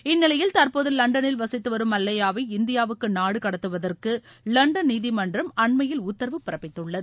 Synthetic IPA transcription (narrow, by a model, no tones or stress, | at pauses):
ɪnːɪlɐjɪlt̪ɐɾpoːðɯlːɐɳɖɐnɪlʋɐsɪt̪ːɯʋɐɾɯmɐlːɐjaːʋɐɪɪnd̪ɪjaːʋɯkːɯnaːɽɯkɐɽɐt̪ːɯʋɐðɐrkɯlɐɳɖɐnnːiːðimɐndrɐmɐɳmɐjɪlʊt̪ːɐɾɐʋɯpːɪɾɐpːɪt̪ːɯɭːɐðɯ